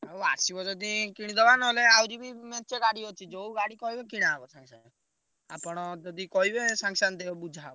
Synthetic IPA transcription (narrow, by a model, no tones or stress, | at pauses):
awa̰sibɔd͡ʒɔd̪ikiɽ̃id̪ɔbanɔɦleawɾibimɛt͡ʃeɡaɽiot͡ʃʰid͡ʒowɡaɽikɔɦibekiɽ̃abɔsãŋsan | a̰pɔɽ̃ɔd͡ʒɔd̪ikɔɦibesaŋsand̪eɔbud͡ʒʱabɔ